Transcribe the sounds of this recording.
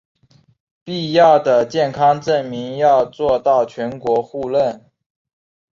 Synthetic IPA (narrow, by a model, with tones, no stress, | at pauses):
pi˥˧jɑ˥˩ʊd̪ə˩t͡ɕjɛ˥˩nkʰɑ˥ŋʈ͡ʂə˥˩nmi˧˥ŋjɑ˥˧ʊt͡swɔ˥˧t̪ɑ˥˩ʊt͡ɕʰɥɛ˧˥nkwɔ˧˥xu˥˧lə˥˩n